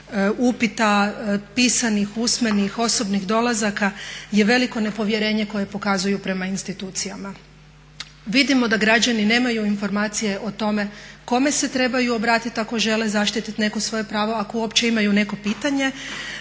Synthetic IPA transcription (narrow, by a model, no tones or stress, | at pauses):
upit̪apiːsanixusmenixo̞so̞bniɣd̪o̞lˠazakaje̞ʋe̞liko̞ne̞po̞ʋje̞ɾe̞ːɲe̞ko̞je̞po̞kazujupɾe̞mainst̪it̪uːt̪sijama | ʋid̪imo̞d̪aɡɾad͡ʑanine̞ːmajuinfo̞ɾmaːt̪sije̞ʔo̞t̪o̞me̞ko̞me̞se̞t̪ɾe̞bajuo̞bɾaːt̪it̪ako̞ʒe̞le̞zaʃt̪it̪it̪ne̞kosʋo̞je̞pɾaːʋo̞akouopt͡ɕe̞imajune̞ko̞piːt̪aɲe̞